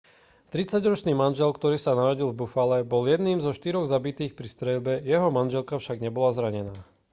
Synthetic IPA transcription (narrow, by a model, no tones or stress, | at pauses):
t̪ɾit͡saɟɾɔt͡ʃniːmanʒɛlkt̪ɔɾiːsanaɾɔɟilvbufalɛbɔljɛd̪niːmzɔʃt̪iɾɔɣzabit̪iːxpɾist̪ɾɛlbɛjɛɦɔmanʒɛlkafʃaɡɲɛbɔlazɾaɲɛnaː